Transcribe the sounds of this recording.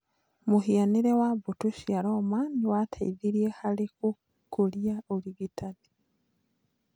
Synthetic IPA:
muhianiɾewaβutuʃiaɾomaniwatʰaiðiɾijehaliku | kolijaoliɡitʰadi̥

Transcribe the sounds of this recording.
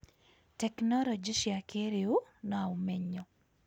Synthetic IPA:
tɛknɔlɔd͡ʒiʃiakʰeɾeunɔaumɛɲːɔ

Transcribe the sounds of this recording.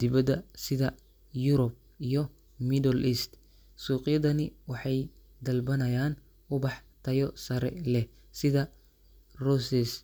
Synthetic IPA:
d̪ɪβɐd̪ɐsɪðɐ | jʊɾɔb̚ | ijɔ | mid̪ɔlʔist̪ | suːqʼɪjɐðɐnɪwɑħɑj | d̪ɐlbɐnɐjaːn | ʊbɑħt̪ʰɐjɔsɐɾɛ̰lɛ | sɪðɐ | rɔsɛs

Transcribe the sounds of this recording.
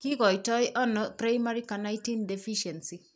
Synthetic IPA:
kiɡɔjtɔjʔɔnɔpɾajmaɾikanajtindefiʃɛnsi

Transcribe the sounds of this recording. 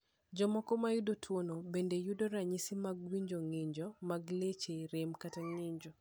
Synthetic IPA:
d͡ʒɔmɔkɔmajʊdotʰwonobendejudoɾaɲisimaɡwiɲd͡ʒoŋɪɲd͡ʒɔmaɡlet͡ʃeɾɪmkataŋɪɲd͡ʒɔ

